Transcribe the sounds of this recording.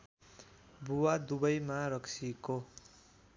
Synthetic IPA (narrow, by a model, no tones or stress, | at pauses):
buwad̪ubʌjmaɾʌksʰiko